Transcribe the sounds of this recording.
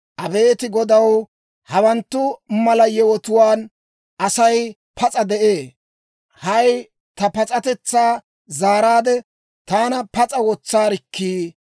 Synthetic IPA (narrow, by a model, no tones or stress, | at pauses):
ʔɐbe̞ːt̪ɪɡɔd̪ɐw | hɐwɐnt̪ːʊmɐlɐjɛwɔt̪ʊwaːn | ɐsɐj | pʰɐt͡sʼɐd̪ɛʔeː | hɐj | t̪ɐpɐt͡sʼɐt̪ɛt͡sːaː | zaːɾaːd̪ɛ | t̪aːnɐpɐt͡sʼɐwɔt͡sːaːɾɪkʰːiː